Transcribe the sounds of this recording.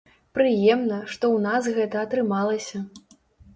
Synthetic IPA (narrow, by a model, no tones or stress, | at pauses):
pɾɨjɛmnɐʂt̪ɔwnas̬ɣɛt̪ɐːt̪ɾɨmalˠɐsʲɐ